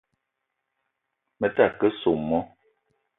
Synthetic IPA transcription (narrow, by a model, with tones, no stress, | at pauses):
mə˨ta˦˨kə˦so˨mːɔ˦